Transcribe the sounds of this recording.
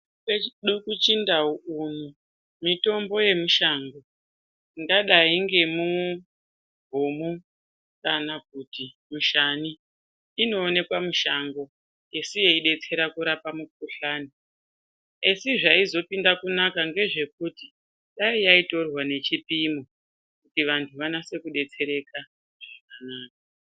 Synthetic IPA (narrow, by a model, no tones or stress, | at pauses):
keiɗukut͡ʃindauunu | mito̞mbo̞je̞muʃaŋɡo̞ | ŋɡaɗaiŋɡe̞mu | bʱumu | kanak̚uti | muʃaniː | no̞ːne̞kwamuʃaŋɡo̞ | esije̞iɗe̞t͡se̞ɾakuɾapamuk̚uɬaːni | esiʐaizo̞pindakunakaŋɡe̞ʐe̞k̚uti | ɗaijaito̞rwane̞t͡ʃipimo | kutiʋantʰuʋanase̞kuɗe̞t͡se̞ɾe̞ka | ʐak̚anaːk̚a